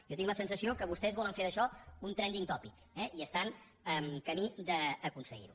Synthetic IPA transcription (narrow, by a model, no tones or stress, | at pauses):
jɔt̪iŋləsənsəsiokəβ̞ust̪ɛzβɔləɱfeðəʃɔunt̪ɾɛnd̪iŋt̪ɔpik | ɛʔiəst̪an | əmkəmid̪əːkunsəɣḭɾṵ